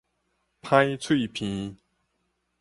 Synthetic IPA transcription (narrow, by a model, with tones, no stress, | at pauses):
pʰã˦jt͡sʰwi˥˨pʰĩ˨˦